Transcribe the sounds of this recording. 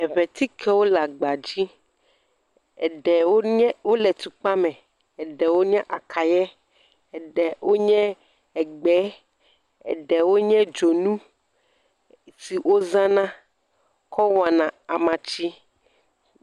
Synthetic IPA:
ɛ˨βɛ˨t̪i˦kʰɛ˦wo˦la˨ɡ͡ba˨d͡ʑi˦ | ɛ̰˨ɖɛ˨wo˦ɲɛ˦wo˦lɛ˨t̪u˨k͡pa˦mɛ̃˨ | ɛ˨ɖɛ˨wo˦ɲɛ̃˦ʔa˨kʰa˨jɛ˦ | ɛ˨ɖɛ˨wʔo˦ɲɛ̃˦ | ɛ˨ɡ͡bɛ˨˦ | ɛ̰˨ɖɛ˨wo˦ɲɛ̃˦d͡ʒo˨nũ˦ | si˨wo˦zã˦nã˦ | kʰɔ˦wa˨nã˨a˨mã˨t͡ɕi˦

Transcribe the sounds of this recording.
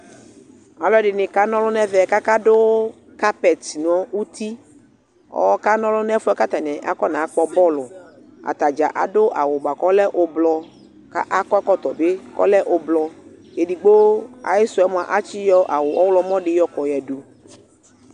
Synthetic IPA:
a˨lɔ˦dɪ˨nɪ̃˨ka˦nɔ̃˦lʊ˦nɛ˦vɛ˨ka˦ka˦dʊ˦ | ka˦pɛ˨t̪n˨ɔ˨˦u˦t̪i˦ | ɔ̰˦wɔ˦ka˦nɔ̃˦lʊ˦nɛ˦fʊ˦ɛ˦ka˦t̪a˨nɛ̃˨ʔa˦kɔ˦nã˨a˦k͡pɔ˦bɔ˦lʊ˨ | a̰˨t̪a˨d͡ʒa˨ʔa̰˨dʊ˦ʔa̰˨wʊ˨ɡ͡ba˨kɔ˦lɛ˦ʔʊ˦blɔ˧ | ka̰˦ʔa˦kɔ˦ɛ˦kɔ˦t̪ɔ˨be˦kɔ̰˦lɛ˦ʔʊ˦blɔ˨ | je˨di˨ɡ͡bo˦a̰˨jɪ˦sʊ˨˦ɛ˦mʊ̃˨a˨ʔa˦t͡ʃi˦jɔ˦ʔa˨wʊ˨ʔɔ˦wlɔ˦mɔ̃˦ɖɪ˦jɔ˦kɔ˨jɛ˨du˨

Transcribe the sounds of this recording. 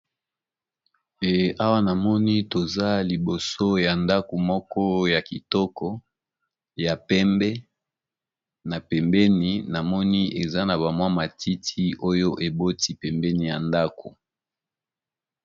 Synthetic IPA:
e˨a˦wa˦na˨mɔ˦ni˦to˨za˦li˨bo˨so˦ja˨nda˦ko˨mɔ˦kɔ˦ja˨ki˨tɔ˦kɔ˦ | ja˨pɛ˦mbɛ˦ | na˨pɛ˨mbɛ˦ni˨na˨mɔ˦ni˦ʔe˨za˦na˨βa˨mwa˦ma˨tʰi˦tʰi˦o˦jo˦ʔe˨bo˦ti˦pɛ˨mbɛ˦ni˨ja˨nda˦ko˨

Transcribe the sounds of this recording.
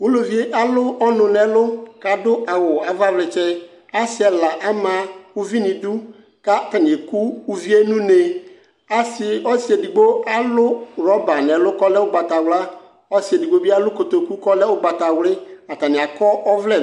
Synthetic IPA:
wʊ˦lo˨vi˦e˦ʔa˦lʊ˦ɔ˦nʊ̃˨nɛ˨lʊ˦ka˨dʊ˦ʔa˨wʊ˨a˨va˦vlɛ˨t͡ʃɛ˦ | a˦sɪ˨˦ɛ˨la˨ʔa˦mã˨ʊ˦vi˦nɪ̃˨dʊ˦ | ka˦˨ta˨nɪ̃˨e˨ku˦u˦vi˦e˦nũ˦ne˨ | a˦sɪ˨ɔ˦si˨e˨di˨ɡ͡bo˦a˦lʊ˦ɾɔ˦ba˨nɛ˨lʊ˦kɔ˦lɛ˦ʊ˦ɡ͡ba˨ta˨wla˦ | ɔ˦si˨e˨di˨ɡ͡bo˦bi˦a˦lʊ˦ko˨t̪o˨ku˦kɔ˦lɛ˦ʊ˦ɡ͡ba˨ta˨wlɪ˦a˨ta˨nɪ̃˨a˨kɔ˦ɔ˦vlɛ˦˨

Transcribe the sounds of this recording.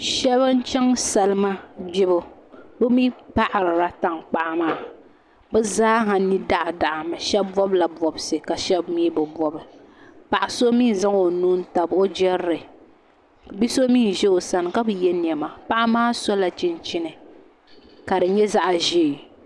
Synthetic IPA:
ʃɛ˦βɨ˦n˦t͡ʃɛ˦ŋsa˦lɨ˦ma˦d͡ʒɪ˦bʊ˦bʊ˦mi˦pa˦ʔa˨ɾɨ˨ɾa˦ta˨ŋk͡pa˨ʔa˦maː˦ | bɛ˦zaː˦ɦa˨ni˦da˦˨ʔa˨da˨ʔa˨ma˨ʃɛ˦bbɔ˦bla˨bɔ˨bsɨ˨ka˨ʃɛ˦bmiː˦bɨ˨bɔ˦bɨ˨ | pa˨ʔa˨so˦miː˦n˨za˦ŋo˨nu˦n̩˦ta˨bo˦d͡ʒɛ˦ɾɨ˨ | bi˦so˦miː˦˨n˨ʒɛ˦o˨sa˨nɨ˨ka˦bɨ˨jɛ˦n˨ɛ˨ma˨pa˦ʔa˦maː˦so˦la˨t͡ʃɪ˦nt͡ʃi˦nɨ˨ | ka˨dɨ˨ɲɛ˦za˦ʔʒiː˦˨

